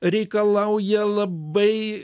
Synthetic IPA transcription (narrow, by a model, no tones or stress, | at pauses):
ɾʲɛːkɐlˠɑʊjɛlˠɐbɐɪ